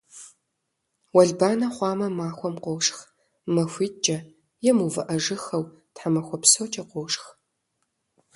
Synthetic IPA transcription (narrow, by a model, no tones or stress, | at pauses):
wɐɮbaːnɐχʷɑːmɐmaːxʷɔmqʷowʂx | mɐxʷiːt͡ʃʼɐ | jɛmuvɨʔɐʒɨxɐw | tħamɐxʷɔpsowt͡ʃʼɐqʷowʂx